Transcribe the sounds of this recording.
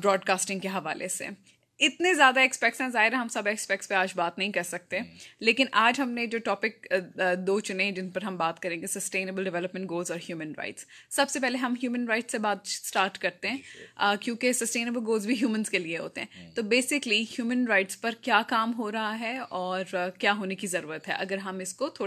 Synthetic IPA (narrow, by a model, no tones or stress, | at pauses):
bɾɔːɖkaːsʈɪ̃ŋɡkeɦɐʋa̰ːlʔḛsḛ | ɪt̪nezjaːd̪aɛːkspɛk̚ʈsɦɛ̃zaːɦɪɾɛ̃ɦɐmsɐbɛkspɛk̚ʈspeaːd͡ʒbaːt̪nɐɦĩkɐɾsɐk̚t̪ẽleːkɪnʔaːd͡ʒɦɐmned͡ʒoːʈɔːpɪk̚ːd̪oːt͡ʃʊnẽɛ̃d͡ʒɪnpɐɾɦɐ̃mbaːt̪kɐɾẽːŋɡesɐsʈeːnəbəlɖɪʋɛləpmɛ̃ɳʈɡoːlzɔːɾhjuːmə̃nɾa̰ɪʈsːɐbsepɛɦleɦɐmɦjuːmə̃nɾaɪʈsebaːd̪̚sʈaːɾʈkɐɾt̪eɦɛ̃ːəːkjõːkesɐsʈeːnəbəlɡoːlzbʱiɦjuːmə̃nzkelieɦo̰ːt̪eɦɛ̃ːt̪oːbeːsɪklihjuːmə̃nɾaɪʈspɐɾkjaːkaːmɦoːɾɐɦaɦɛɔːɾkjaːɦoːnekizɐɾuːɾət̪ɦɛ̰ʔɐɡəɾɦɐmɪskot̪ʰoː